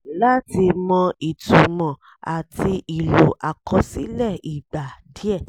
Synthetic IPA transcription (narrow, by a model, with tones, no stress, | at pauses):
la˦ti˧mɔ̃˧i˨tu˨mɔ̃˨ | a˨ti˧ʔi˨lo˨ʔa˨kʰɔ˧˦si˦lɛ˦˨i˨ɡ͡ba˨di˨˦ɛ˦˨